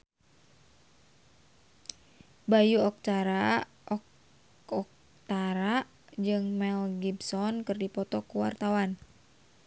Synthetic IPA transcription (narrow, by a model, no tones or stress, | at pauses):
bajuɔk̚t̪aɾa | ʔɔ | ɔk̚ | t̪aɾa | d͡ʒɨŋmɛlɡibsɔnkɨrdipɔt̪ɔkuwa̰rt̪awan